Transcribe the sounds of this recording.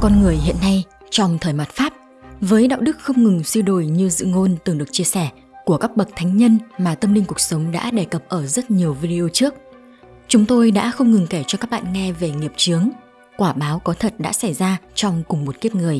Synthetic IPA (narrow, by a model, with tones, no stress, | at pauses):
kɔ˧nŋɨ˨˩əjhḭ˧˨ənːa˧j | t͡ɕɔ˧wŋ͡mt̪ʰəː˨˩jma˨˩t̚faː˦˥p̚ | vəː˨˦jɗa̰ː˧˨wɗɨ˦˥k̚xə˧wŋ͡mŋɨ˨˩ŋswi˧ɗo˧˩jɲɨ˧zɨ̰˧˨ŋo˧nt̪ɨ˨˩ŋɗɨ˨˩ək̚t͡ɕi˧əsɛ˧˩ | ku˧˩əka˦˥k̚ɓə˨˩t̪ʰa˨˦jŋ̟ɲə˧nmaː˨˩t̪ə˧mlï˧ŋ̟kʊ˨˩k̚sə˨˦wŋ͡mɗa̰ː˧˥ɗe˧˩kə˨˩p̚ʔəː˧˩zə˦˥t̚ɲi˨˩əwvi˧ɗi˧o˧t͡ɕɨ˦˥ək̚ | t͡ɕʊ˨˦ŋ͡mt̪o˧jɗa̰ː˧˥xə˧wŋ͡mŋɨ˨˩ŋke˧˩t͡ɕɔ˧kaː˦˥k̚ɓa̰ː˧˨nŋɛ˧ve˨˩ŋi˨˩əp̚t͡ɕɨ˨˦əŋ | kwaː˧˩ɓaː˨˦wkɔ˨˦t̪ʰə˨˩t̚ɗa̰ː˧˥sa˧˩jzaː˧t͡ɕɔ˧wŋ͡mkʊ˨˩ŋ͡mmo˨˩t̚ki˦˥əp̚ŋɨ˨˩əj